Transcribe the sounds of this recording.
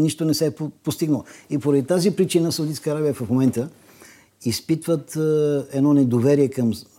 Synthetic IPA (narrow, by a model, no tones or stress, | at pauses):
niʃt̪onɛsɛppost̪iɡnəlˠipoɾɐd̪it̪azipɾit͡ʃinəsəud̪it̪kəːɾabijəfɐfmomɛnt̪ə | ispit̪vət̪ɛd̪nɔnɛd̪ovɛɾiɛkɐm